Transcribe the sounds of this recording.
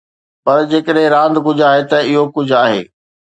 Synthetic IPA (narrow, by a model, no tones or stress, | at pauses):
pɐɾd͡ʑeːkəɗɦɪ̃ɾãːnd̪ɡʊd͡ʑʱaːɦet̪ɐɪɦokʊd͡ʑʱʊaːɦḛː